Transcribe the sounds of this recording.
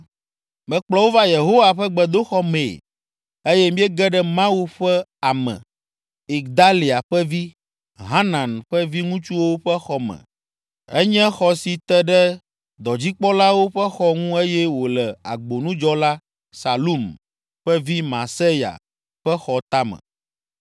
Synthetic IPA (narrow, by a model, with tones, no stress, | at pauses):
mɛ̃˨˦k͡plɔ˦wo˦va˦je˨ɦo˦wa˨ɸɛ˦ɡ͡bɛ˨d̪o˦xɔ˦me˨ | e˦jɛ˦mĩ˦ɛ˦ɡɛ˦ɖɛ˦mã˦wu˦ɸɛ˦a˨mɛ̰̃˨ | i˨ɡd̪a˦li˨a˨ɸɛ˦vi˦ | ɦa˦nã˨nɸɛ˦vi˦ŋũ˦t͡ʃu˦wo˦ɸɛ˦xɔ˦mɛ̰̃˨ | ɛ˦ɲɛ̃˦xɔ˨si˨t̪ɛ˦ɖɛ˦ | d̪ɔ˨d͡ʑi˦k͡pɔ˦la˦wo˦ɸɛ˦xɔ˦ŋũ˦e˦jɛ˦wo˨lɛ˨a̰˨ɡ͡bo˨nũ˦d͡ʒɔ˦la˦ | sa˨lu˦m | ɸɛ˦vi˦mã̰˨se˦ja̰˨ | ɸɛ˦xɔ˨t̪a˦mɛ̰̃˨